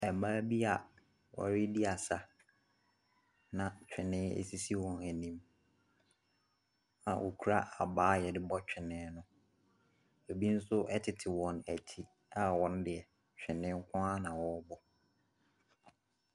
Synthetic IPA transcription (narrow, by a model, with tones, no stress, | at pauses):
ɛ˨maː˦bi˦a˨ | wɔ̰˨ɾɪ˦di˦a˨sa˦ | nã˨t͡ɕᶣɪ˨nɪ̃˦ḛ˨si˦si˦wɔ̃˨næ˨nĩ˦m | ã˨wʔo̰˨kʰu˦ɾa˦ʔa˨baː˦jɛ˨dɪ˦bɔ˦t͡ɕᶣɪ˨nɪ̃˨˦nʊ̃˦ | e˨bi˦n̩˦sʊ˦ʔɛ˦tʰɪ˨tʰɪ˨wɔ̃˨næ̰˨tʰi˦ | a˨wɔ̃˦n˦dɪ˨ɛ˨ | t͡ɕᶣɪ˨nɪ̃˦ŋ̩˦kʷʰʊ̃˦a˦nã˨wɔ˦bɔ˦